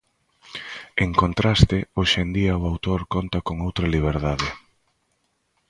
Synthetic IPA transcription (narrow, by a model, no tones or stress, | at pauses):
eŋkont̪ɾast̪ɪoʃend̪iɐʊawt̪oɾkont̪ɐkoŋowt̪ɾɐliβ̞eɾðaðɪ